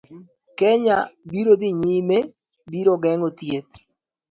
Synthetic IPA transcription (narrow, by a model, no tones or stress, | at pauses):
kɛɲabiɾod̪iɲime | biɾoɡɛŋɡot̪jet̪̚